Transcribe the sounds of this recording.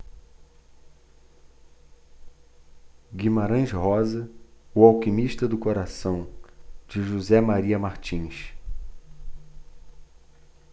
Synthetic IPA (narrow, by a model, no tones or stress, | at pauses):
ɡimaɾɐ̃ʒhɔzɐʊawkimiʃt̪ɐd̪ʊkoɾasɐ̃w̃d͡ʒɪʒuzɛmaɾiɐmaɾt͡ʃĩʃ